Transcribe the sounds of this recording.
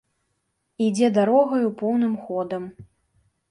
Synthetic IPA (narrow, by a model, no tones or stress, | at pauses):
id͡zʲɛd̪aɾɔɣɐjupɔwnɨmxɔd̪ɐm